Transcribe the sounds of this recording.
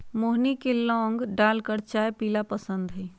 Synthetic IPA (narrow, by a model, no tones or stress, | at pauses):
moɦnikelɔ̃ːŋɡɖaːlkəɾt͡ʃajpilapəsənd̪ɦəj